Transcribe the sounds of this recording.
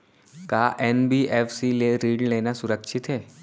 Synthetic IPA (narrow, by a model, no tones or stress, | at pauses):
kaːʔɛːnbiːʔɛːfsileɾiːɖleːnasʊɾəkʃʰɪt̪ɦɛː